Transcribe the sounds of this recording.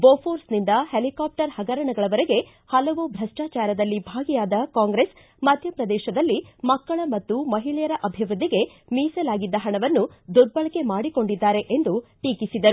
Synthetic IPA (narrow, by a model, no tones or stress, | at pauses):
boːpʰoːɾsnind̪ɐhelikaːp̚ʈɐɾhɐɡɐɾɐɳɐɡɐɭɐʋɐɾeɡe̞ | hɐlɐʋubʱɾɐʂʈaːt͡ʃaːɾɐd̪ɐlːibʱaːɡijaːd̪ɐkaːŋɡɾes | mɐd̪ʱjɐpɾɐd̪ɛːʃɐd̪ɐlːimɐkːɐɭɐmɐt̪ːumɐɦiɭɛjɐɾɐʔɐbʱiʋɾud̪ʱːiɡe̞ | miːsɐlaːɡid̪ːɐɦɐɳɐʋɐnːud̪uɖ̪̚bɐɭɐke̞maːɽiko̞ɳɖid̪ːaːɾe̞ʔend̪uʈiːkisid̪ɐɾu